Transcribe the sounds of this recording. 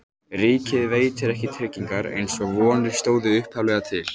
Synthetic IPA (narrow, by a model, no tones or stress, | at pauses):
riːcɪðveːjt̪ɪɾɛhcɪt̪ʰɾɪcːiŋkaɾḛjnsɔɣvɔːnɪ̥st̪oːwðɪʏhphavlɛɣat̪ʰɪl